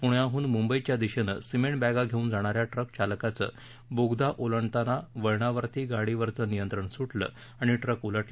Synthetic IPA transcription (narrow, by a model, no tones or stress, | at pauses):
puɽjaɦuːnmumbəit͡ɕjad̪iɕenə̰simeɳʈbaɡaɡʱeũːnd͡zaɽ̃aɾjaʈɾək̚t͡ɕalkat͡sə̰ | boɡd̪aʔoləɳt̪anaʋəɭɳ̃aʋəɾt̪iːɡaɽiʋəɾt͡sənijənt̪ɾəɳsuʈlə̰ | aɽ̃iʈɾəkuləʈlə